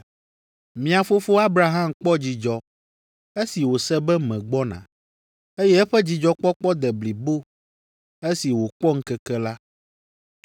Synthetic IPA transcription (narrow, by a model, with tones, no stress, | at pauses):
mĩ˨a˨fo˦fo˦a˦bɾa˨ɦã˦mk͡pɔ˦d͡ʑi˨d͡ʒɔ˨ | e˦si˨wo˨sɛ˦bɛ˦mɛ̃˨ɡ͡bɔ˦nã̰˨ | e˦jɛ˦ɛ˦ɸɛ˦d͡ʑi˨d͡ʒɔ˦k͡pɔ˦k͡pɔ˦d̪ɛ˨bli˨bo˦ | e˦si˨wo˨k͡pɔ˦ŋ̩˦kɛ˦kɛ˦la˦